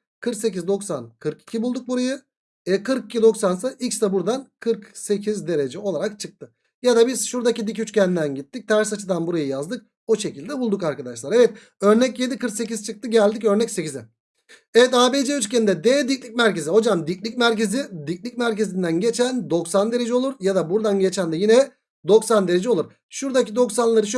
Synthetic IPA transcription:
kʰɯɾkse̞cizd̪o̞ksankʰɯɾki̥cʰibulˠd̪uk̚buɾajɯ | ɛkʰɯɾkicʰʲid̪o̞ksansaʔicst̪abuɾd̪ankʰɯɾkse̞cʰizd̪e̞ɾe̞d͡ʒɛo̞lˠaɾakt͡ʃʰɯk̚t̪ʰɯ | jad̪abiz̥ʃuɾd̪acid̪icyt͡ʃcænd̪ænɟit̪ʰːic̚t̪ʰæɾsat͡ʃʰɯd̪anbuɾajɯjazd̪ɯk̚ | oʃe̞cʰilʲd̪ɛbulˠd̪ukaɾkad̪aʃlˠaɾevɛt̪̚ | ø̞ɾnɛcje̞d̪ikʰɯɾkse̞c̬izt͡ʃʰɯk̚t̪ʰɯɟælʲd̪icø̞ɾnɛcse̞cizɛ | evɛt̪̬aːbed͡ʒɛyt͡ʃcend̪ɛd̪ed̪icʲlʲicʲmæɾce̞ziɦo̞d͡ʒamd̪iclʲicmæɾce̞zid̪icʲlʲicmæɾce̞zind̪ænɟe̞t͡ʃʰænd̪o̞ksand̪e̞ɾe̞d͡ʒɛo̞lˠuɾjad̪abuɾd̪anɟe̞t͡ʃʰænd̪ɛjinɛ | d̪o̞ksand̪e̞ɾe̞d͡ʒɛo̞lˠuɾ | ʃuɾd̪acid̪o̞ksanlˠaɾɯʃ

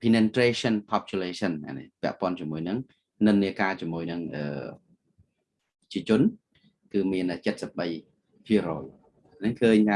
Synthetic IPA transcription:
pʰinent̪reːɕənpʰɑp̚ʰt͡ɕuleːsənna̰nḛpɛ̆əʔpŏənt͡ɕiəmuəjnɨŋ | nɨnːiəkaːt͡ɕiəmuəjnɨŋʔə̰ː | t͡ɕiət͡ɕʊ̆ən | kɨːmiənʔəːt͡ɕət̪̚səp̚ɓəj | pʰiəɾɔːj | ʔʔanɨŋkʰəːɲa

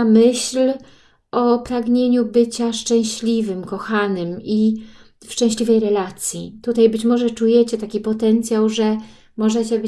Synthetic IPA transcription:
amɘɕl | ʔɔpɾaɡɲeɲubɘt͡ɕaʂt͡ʂɛ̃w̃ɕlʲivɘmkɔxanɘmi | fʂt͡ʂɛ̃w̃ɕlʲivɛjɾɛlat̪sʲjḭt̪ut̪ajbɘt͡ɕmɔʐɛt͡ʂujɛt͡ɕɛt̪akʲipɔt̪ɛnt̪sʲjawʐɛ | mɔʐɛt͡ɕɛb

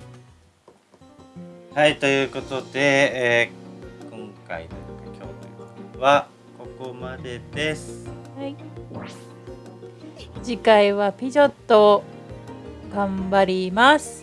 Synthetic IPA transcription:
hait̪o̞jɯ̟ːko̞t̪o̞d̪e̞ | kõ̞ŋka̰inojɯkakʲo̞̰ːt̪oaβa | ko̞komad̪e̞d̪̥e̞sɨ̥hai | d͡ʑikaiβapʲiʑot̪ːo | ɡ̥ãmbaɾʲimasɨ̥

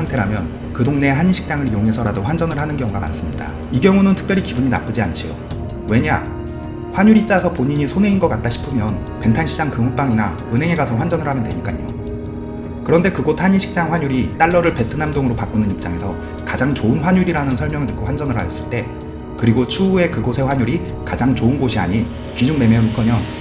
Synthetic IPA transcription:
aŋtʰe̞ɾamjʌn | kɯdoŋne̞ɦaɲiɕʰi̥k̚t͈aŋɯɾjoŋɦe̞sʰʌɾadoɸwand͡ʑʌnɯɭhanɯnkjʌŋuɡama̰ns͈ɯmɲida̰ | iɡjʌŋunɯntʰɯ̥k̚pjʌɾikibuɲina̰p͈ɯd͡ʑiant͡ɕʰijo̰ | we̞ɲa̰ | ɸwaɲuɾit͡ɕ͈asʰʌpoɲiɲisʰone̞inɡʌk͈at̚t͈aɕʰi̥pʰɯmjʌn | pe̞ŋtʰanɕʰid͡ʑaŋkɯŋup͈aŋina | ɯnɦeŋe̞ɡasʰʌɸwand͡ʑʌnɯɭhamɯndweɲik͈aɲijo̰ | kɯɾʌnde̞kɯɡotʰaɲiɕʰi̥k̚t͈aŋɸwaɲuɾit͈aɭːʌɾɯɭpe̞tʰɯnamdoŋɯɾopak͈unɯnip̚t͡ɕ͈aŋe̞sʰʌ | kad͡ʑaŋt͡ɕoɯnɸwaɲuɾiɾanɯnsʰʌɭmjʌŋɯɭɯk͈ʰoɸwand͡ʑʌnɯɾɦa̰jʌs͈ɯɭt͈e̞ | kɯɾiɡot͡ɕʰuːe̞kɯɡosʰe̞ɸwaɲuɾi | kad͡ʑaŋt͡ɕoɯnɡoɕʰia̰ɲin | kid͡ʑuŋme̞memikʰʌmjʌn

